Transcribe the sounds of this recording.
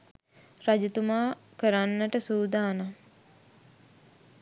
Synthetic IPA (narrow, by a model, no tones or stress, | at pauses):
rad͡ʒut̪umaːkəɾanːəʈəsuːd̪aːna